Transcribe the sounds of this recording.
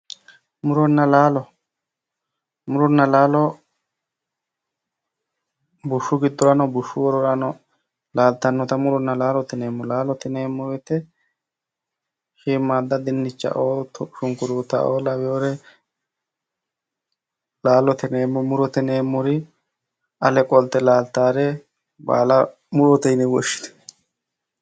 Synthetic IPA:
mʊɾɔnːɐlaːlɔ | mʊɾɔnːɐlaːlɔ | bʊʃːʊɡɪd̪ːɔɾanɔbʊʃːʊwɔɾɔɾanɔ | laːlt̪ɐnːɔt̪ɐmʊɾɔnːɐlaːlɔt̪ɪneːmːɔlaːlɔt̪ɪneːmːɔwɛt̪ːɛ | hiːmːaːd̪ːɐd̪ɪnːɪt͡ʃːɐ̰ʔoːʃʊŋkʊɾut̪ɐ̰ʔoːlɐwɪjoːɾɛ | laːlɔt̪ɛneːmːɔmʊɾɔt̪ɛneːmːʊɾɪ | ɐlɛkʼɔlt̪ːɛlaːlt̪aːɾɛ | ba̰ːlɐ | mʊɾɔt̪ɛjnɛwɔʃːɪ̥d̪ɛ̥

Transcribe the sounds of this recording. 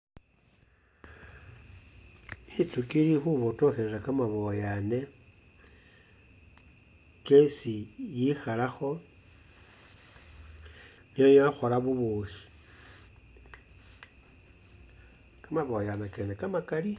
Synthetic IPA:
itukilixuβotoxeɾeɾakamaβo̞jane | kesijixalaxo̞ | nijojaxolaβuβusi̥ | kamaβojanakenekamakali

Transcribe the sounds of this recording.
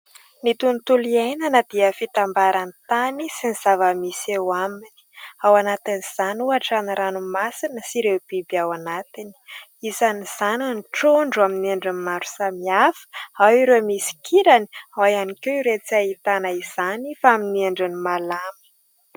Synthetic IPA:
nit̪unt̪uliajnanəd̪̥iəfit̪ambaɾanit̪anisiniz̥avəmisewamini̥awanat̪iniz̥anuaʈ͡ʂaniɾanumasinəsiɾewb̥ibiawanat̪ini̥ | izaniz̥aninʈ͡ʂoɳɖ͡ʐuamineɳɖ͡ʐinmaɾu̥samiafə̥awiɾemisi̥kʰiɾani̥awajanikʲeiɾet͡siaɦit̪anaiz̥anifaamineɳɖ͡ʐinimalami̥

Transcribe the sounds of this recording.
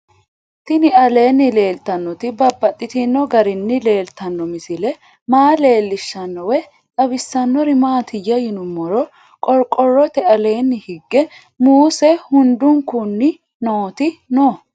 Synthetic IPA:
t̪ɪnɪɐle̞ːnːɪle̞ːlt̪ɐnːɔt̪ɪbɐbːɐt̪ʼːɪt̪ɪnːɔɡɐɾɪnːɪle̞ːlt̪ɐnːɔmɪsɪlɛ | maːle̞ːlːɪʃːɐnːɔwɛ | t͡sʼɐbɪsːɐnːɔɾɪmaːt̪ɪjːɐjɪnʊmːɔɾɔ | kʼɔɾkʼːɔrːɔt̪ɛɐle̞ːnːɪhɪɡːɛ | muːsɛhʊnd̪ʊŋkʊnːɪ | noːt̪ɪno

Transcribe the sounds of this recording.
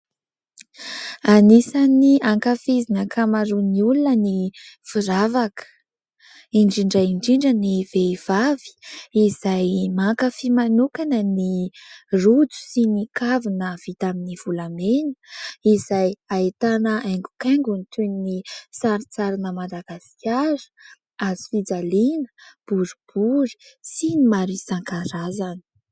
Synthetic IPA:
anisaniaŋkafizinəkʰamaɾuniulunənifiɾavakə̥ | iɳɖ͡ʐiɳɖ͡ʐaiɳɖ͡ʐiɳɖ͡ʐəniveiv̥avi̥izajmaŋkafimanukanəni | rud͡zu̥sinikavinəv̥it̪aminiv̥ulamenə̥izajaet̪anəʔeŋɡukeŋɡunit̪ʰynnisaɾit͡saɾanəmad̪aɡ̥asi̥kʲaɾə̥ | azi̥fid͡zalinə̥b̥uɾub̥uɾi̥sinimaɾisaŋkaɾazani̥

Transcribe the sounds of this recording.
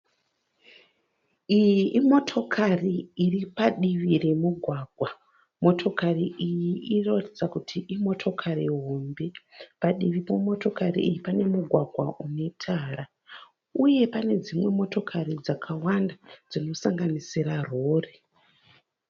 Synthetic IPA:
ijimo̞tʰo̞kʰariiripaɗiʋire̞muɡʱwaːɡ̥ʱwa | mo̞tʰo̞kariʔijiiroti̥d͡zakutʰiʔimo̞tʰo̞kʰaɾiɦombepaɗiʋipomo̞to̞karḭijipane̞muɡʱwaɡʱwaune̞tʰaːɾa | uje̞pane̞d͡zimwe̞mo̞to̞kʰaɾid͡zakʰawandad͡zino̞saŋɡanisiraroːre

